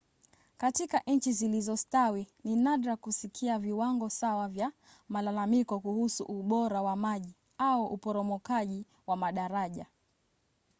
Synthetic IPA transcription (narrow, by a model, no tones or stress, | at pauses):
katikaʔɲ̩t͡ʃizilizɔstawininaɗɾakusikʰiaviwaŋɡɔsawavja | malalamikɔkuhusṵʔuɓɔɾawamaʄi | aɔʔupɔɾɔmɔkaʄi | wamaɗaɾaʄa